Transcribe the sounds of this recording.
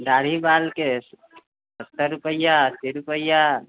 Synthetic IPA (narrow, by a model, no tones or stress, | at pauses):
d̪aɽ̤ibalke | səst̪əɾupəjːast̪iɾupəjːa